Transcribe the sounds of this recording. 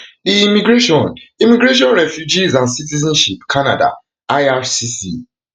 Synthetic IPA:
iimiɡɹeʃɔ̃nimiɡɹeʃ̬ɔ̃nɹɛfjud͡ʒizãnsitizãnʃipkʰana̰da̰ | aafsisḭ

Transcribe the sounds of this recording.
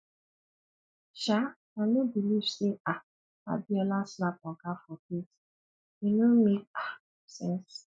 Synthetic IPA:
ʃa | kanobiliv̥sea | a̰biɔlasnap̚ɔkafɔket | enomek̚a | sɛ̃ns

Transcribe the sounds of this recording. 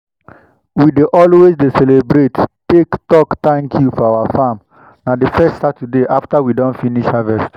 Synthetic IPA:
wideʔɔlwezdesɛlebɾettektɔkt̪ɛ̃ŋkʰjufɔawafãm | nadəfɛstsatʰudeʔaftawidɔ̃ntfiniʃhavɛst

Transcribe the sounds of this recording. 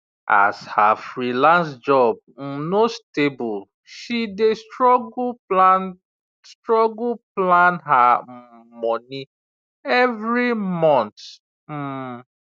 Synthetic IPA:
a̰shafɹilãns̬d͡ʒɔb̚m̩nostebul | ʃidestɔɡan | stɹɔɡuplãnɦa | mɔni | ɛvɹimɔ̃nt | m̩

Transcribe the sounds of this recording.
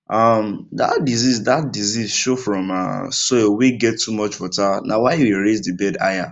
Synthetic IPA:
ʔamda̰t̚dizizdat̚dizizʃofɹɔ̃ma̰soeweɡɛtːumɔt͡ʃwɔtanʔawaɪweɾezdibɛda̰ja

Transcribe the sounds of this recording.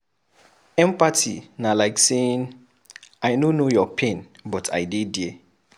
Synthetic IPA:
ɛ̃mpatḭnalaɪkseĩn | ajnonojɔpʰẽnbɔtʰa̰jdedje

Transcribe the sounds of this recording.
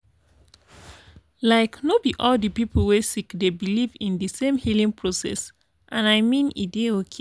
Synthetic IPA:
laɪknobiʔɔldəpipʰl̩ˠwesikdebilivĩndɨsẽmhilĩŋpʰɹ̥osɛ̰s | ʔãnajmĩnḭdeokʰe

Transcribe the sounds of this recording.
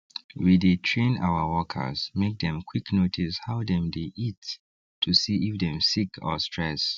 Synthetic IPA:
widetʰɹẽna̰wəwɔkʰə̰˞z̥mek̚dɛ̃mkʰwiknotʰishaʊdɛ̃mdeʔit | tʰːusiʔifdɛ̃msikʰɔ̰stʰɹɛs

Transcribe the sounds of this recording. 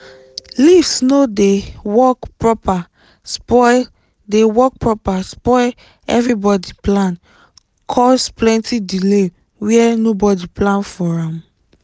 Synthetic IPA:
livsnodewɔkpɹɔpa | spɔ | dewɔk̚pɹɔpaspɔl | ɛ̰vɹibɔdiplãn | kʰɔsplɛ̃ntidile | wiɛnobɔdiplãnfɔɹãm

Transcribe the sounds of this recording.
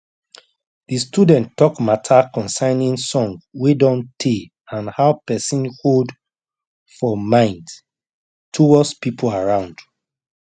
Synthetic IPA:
distudɛ̃nɔkmatʰakɔ̃nsãɪnĩnsɔ̃ŋɡwedɔ̃ntʰe | ãnhaʊpɛsĩnhod | fɔmãɪ̃nd | tʰuwɔspipʰolaɹãʊ̃nd̥

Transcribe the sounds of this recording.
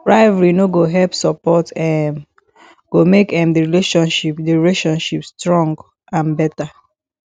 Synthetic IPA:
ɹaɪvaɹinoɡoɦɛlpsɔpɔtɛm | ɡ̥omekɛ̃mdiɹileʃɔ̃nʃipdiɹileʃɔ̃nʃipstɹɔ̃ŋɡ | ãnbɛta

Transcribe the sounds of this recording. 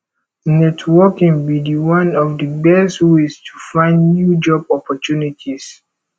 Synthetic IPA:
nɛtʰwɔkĩŋbidiwãnɔvdəbɛsthuistʰufãɪ̃ndnjud͡ʒɔbɔpɔtunitʰis

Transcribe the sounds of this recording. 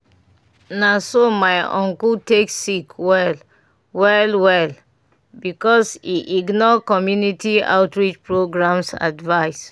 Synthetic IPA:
nasomaɪɔ̰̃ŋkulteksikʰwɛl | wɛlwɛl | bikɔsiʔiɡnɔkɔmjunitia̰ʊtɹit͡ʃpɹoɡɹãmsa̰dvaɪs

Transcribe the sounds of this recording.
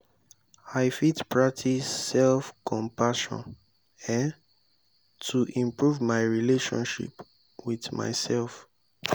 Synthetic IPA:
aɪfitpʰɹak̚tʰisɛlfkʰɔ̃mpaʃɔ̰̃n | ɛ̃n | tʰuʔĩmpɹuvmaɪɹileʃɔ̰̃nʃḭp | wiðma̰ɪsɛlˠf

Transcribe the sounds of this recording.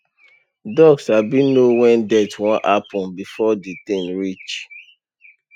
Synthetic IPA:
dɔɡshabĩnnowɛ̃ndɛtwɔ̃nʔapɔ̃nbifɔditẽnɹit͡ʃ

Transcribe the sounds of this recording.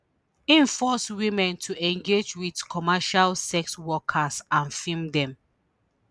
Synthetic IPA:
ĩnfɔswĩmɛ̃ntʰuɛ̃ŋɡed͡ʒwidkʰɔmaʃalsɛkswɔkʰasãnfĩmdɛ̃m

